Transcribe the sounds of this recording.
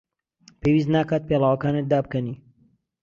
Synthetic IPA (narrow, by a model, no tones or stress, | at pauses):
pʰewiːs̬t̪naːkaːt̪̚peːlaːwɐkaːned̪aːb̚kɐniː